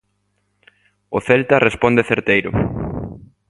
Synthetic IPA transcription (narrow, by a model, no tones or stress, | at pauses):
ʊθɛlt̪ɐrespɔnd̪eθeɾt̪ejɾʊ̰